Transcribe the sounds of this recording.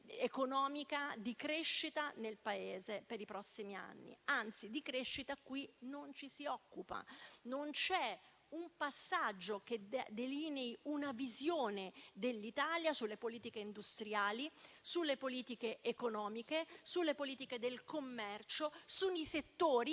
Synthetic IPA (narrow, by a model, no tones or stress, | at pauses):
ekonɔːmikad̪ikɾeʃːit̪anelpaeːzepeɾipɾɔsːimia̰nːḭant̪sid̪ikɾeʃːit̪akwinont͡ʃisiɔkːupa̰nont͡ʃɛ | umpasːad͡ʒːok̟ed̪d̪elineiunavizjoːned̪elːit̪aːljasulːepoliːt̪ikeind̪ust̪ɾjaːlisulːepoliːt̪ikeʔekonɔːmikesulːepoliːt̪iked̪elkomːɛrt͡ʃosuniset̪ːoːɾi